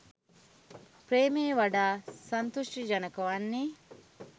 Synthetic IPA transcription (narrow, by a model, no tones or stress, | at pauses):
pɾeːmeːʋɐɖaːsɐnt̪oʂʈid͡ʒɐnɐkɐʋɐnːi